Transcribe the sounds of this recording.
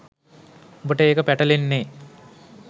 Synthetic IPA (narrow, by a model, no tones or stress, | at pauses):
bɐʈeːkɐpɛʈɐlinːe